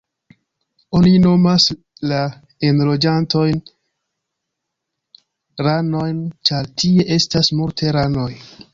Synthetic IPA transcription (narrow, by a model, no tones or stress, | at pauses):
o̞nino̞mas | la | e̞nlo̞d͡ʒanto̞jn | ɾano̞jnt͡ʃaɾtie̞ʔe̞stasmultʰe̞ɾano̞j